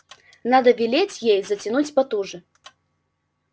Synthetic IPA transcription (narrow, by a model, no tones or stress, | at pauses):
nad̪ɐvʲilʲet͡sʲjejzɐt͡sʲinut͡sʲpat̪uʐɨ